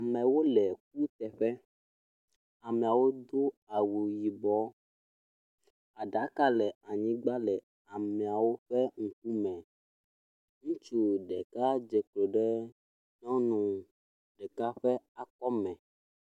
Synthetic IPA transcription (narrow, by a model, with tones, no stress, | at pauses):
a˨mɛ̃˨wo˦lɛ˨k̚u˦t̪ɛ˨ɸɛ˦ | a˨mɛ̃˨a˨wo˦d̪o˦a˨wo˨ji˨bɔ˨˦ | a˨ɖa˨˦ka˦lɛ˨a˨ɲĩ˦ɡ͡ba˦lɛ˨ | a˨mɛ̃˨a˨wo˦ɸɛ˦ŋ̩˨k̚u˦mɛ̃˨ | ŋũ˦t͡ʃu˦ɖɛ˨ka˦d͡ʒɛ˨k͡ple˨ɖɛ˦ | nɔ̃˦nũ˨ | ɖɛ˨ka˦ɸɛ˦a˦kɔ˦mɛ̃˨